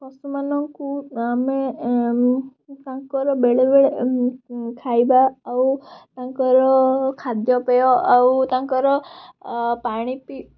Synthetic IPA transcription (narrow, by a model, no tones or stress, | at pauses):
pɔsumanɔŋkuame | t̪ãkɔɾɔbeɭebeɭe | kʰajbaːut̪ãŋkɔɾɔkʰad̪jɔpejɔʔawt̪ãŋkɔɾɔ | paɽ̃ipi